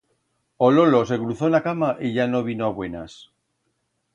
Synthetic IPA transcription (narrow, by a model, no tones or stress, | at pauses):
ololo̞se̞kɾuθoenakamaʔiʝano̞β̞inoaβwe̞nas